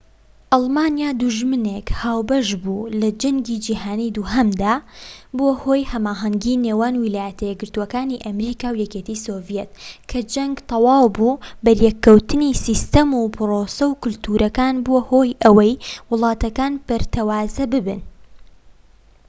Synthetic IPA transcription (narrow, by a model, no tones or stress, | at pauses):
ʔɑlˠmaːnijaːd̪uʒmɨnekhaːwbɐʒbulɐd͡ʒɐŋɡiːd͡ʒiːɦaːnid̪uɦɐmd̪aːbohoːjhɐmaːɦɐŋɡineːwaːnwilaːjɐt̪ʰɐjɛɡɨɾt̪uwɐkaːniʔɐmɾiːkaːwjɛket̪isoːvjet̪kʰɐd͡ʒɐŋɡt̪ʰɑwɑːwbubɐɾjɛkːɐwt̪ɨnisist̪ɐmupʰɨɾoːsɐwkʊlt̪ʰuːɾʔɐkaːnboːhoːjʔɐwɐjwʊlˠɑːt̪ɐkaːnpɨɾt̪ʰɐwaːzɐbɨbɨ̰n